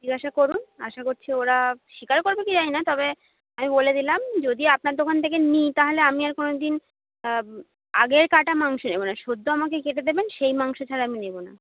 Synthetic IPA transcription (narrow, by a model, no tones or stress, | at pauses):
d͡ʑiɡaʃakoɾuna̰ʃakoɾt͡ɕʰeoɾaʃikaɾkoɾbekid͡ʑajnat̪ɔbe | amiboled̪ilamd͡ʑod̪iapnaɾd̪okʰant̪ʰek̬enit̪aɦoleamiaɾkonod̪in | a̰ɡeɾkaʈamaŋʃonebonaʃod̪ʱːoamak̬ekeʈed̪ebenʃejmaŋʃot͡ɕʰaɾaaminebona̰